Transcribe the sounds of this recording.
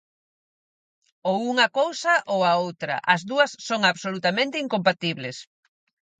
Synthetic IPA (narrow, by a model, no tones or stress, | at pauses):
owuŋɐkowsɐʔowɐowt̪ɾɐ̰ʔɐzðuɐsːoŋaβsolut̪amẽnt̪ɪiŋkompat̪iβlɪs